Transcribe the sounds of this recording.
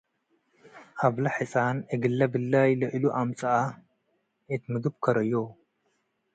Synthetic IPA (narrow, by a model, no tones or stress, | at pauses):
ʔaβlɐħɨsʼanɨɡɨlːɐbɨlːajlɐʔluʔamt͡sʼɐʔa | et̪mɨɡɨbkʰɐɾɐjo